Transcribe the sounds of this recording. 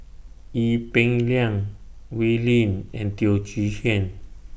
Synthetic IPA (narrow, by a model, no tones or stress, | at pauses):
ipɛ̃ŋliãŋ | wilĩnɛ̃nt̪iod͡ʒiʃiãn